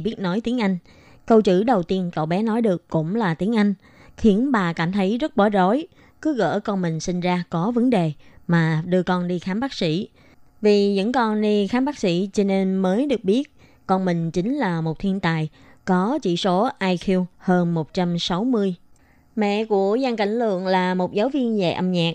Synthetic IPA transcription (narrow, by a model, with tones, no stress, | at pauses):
ɓi˦˥ət̚nɔ˨˦jt̪i˨˦əŋʔa˧jŋ̟ | kə˧wt͡ɕɨ̰˧˩ɗə˨˩wt̪i˧ənkə̰˧˨wɓɛ˨˦nɔ˨˦jɗɨ˨˩əkːʊ̰˧˥ŋ͡mlaː˨˩t̪i˨˦əŋʔa˧jŋ̟ | xi˨˦ənɓaː˨˩kaː˧˩mt̪ʰə˨˦jzə˦˥t̚ɓəː˧˨˩zo˨˦j | kɨ˨˦ɣə̰ː˧˩kɔ˧nmï˨˩ŋ̟sï˧ŋ̟zaː˧kɔ˨˦və˨˦nɗe˨˩maː˨˩ɗɨ˧əkɔ˧nɗi˧xaː˨˦mɓaː˦˥k̚sḭ˧˥˨ | vi˨˩ɲɨ̰˧˥ŋkɔ˧nɗi˧xaː˨˦mɓaː˦˥k̚sḭ˧˥t͡ɕɔ˧ne˧nməː˨˦jɗɨ˨˩ək̚ɓi˦˥ət̚ | kɔ˧nmï˨˩ŋ̟t͡ɕï˨˦ŋ̟laː˨˩mo˨˩t̚t̪ʰi˧ənt̪aː˨˩˨j | kɔ˨˦t͡ɕḭ˧˨so˨˦ʔaː˧jxi˧əwhəː˧nmo˨˩t̚t͡ɕa˧msa˨˦wmɨ˧əj | mɛ̰˧˨ku˧˩əzaː˧ŋka̰˧˩jŋ̟lɨ̰˧˨əŋlaː˨˩mo˨˩t̚zaː˨˦wvi˧ənzḛ˧˨jʔə˧mɲaː˨˩k̚